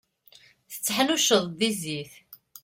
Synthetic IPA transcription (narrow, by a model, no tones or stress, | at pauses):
θə̥t͡sːħnuʃəðˤðiziθ